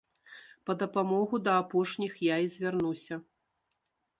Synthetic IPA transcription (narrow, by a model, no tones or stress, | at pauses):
pɐd̪ɐpamɔɣud̪ɐːpɔʂnʲixjaizʲvʲarnusʲɐ